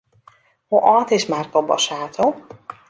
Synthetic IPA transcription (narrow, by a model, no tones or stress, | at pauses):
hoʔɒt̪eːʃmaːrt̪obɒ̰ʃaːt̪ʰo